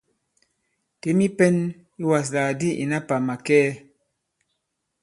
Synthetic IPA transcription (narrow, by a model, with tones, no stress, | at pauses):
te˨˦mi˦pɛ˦n | lu˦wa˨s̬laː˨di˦ʔḭ˨na˦pa˨ma˨kɛː˦